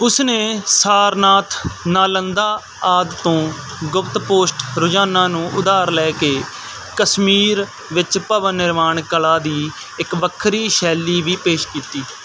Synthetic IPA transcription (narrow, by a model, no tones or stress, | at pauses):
ʊsneːsaːɾnaːt̪ʰnaːlənd̪aː | aːd̪t̪õː | ɡʊpt̪poːsʈɾʊd͡ʒaːnaːnũːʔʊd̪aːɾlɛːkeː | kəsmiːɾ | ʋɪt͡ʃpəʋənːɪɾmaːɳkəlaːd̪iː | ɪkʋəkʰːɾiːʃɛːliːʋiːpeːʃkiːt̪iː